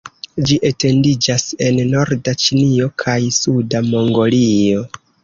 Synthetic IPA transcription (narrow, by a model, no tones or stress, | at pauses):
d͡ʒiʔete̞ndid͡ʒase̞nːo̞ɾdat͡ʃinio̞kʰajsudamo̞ŋɡo̞lio̞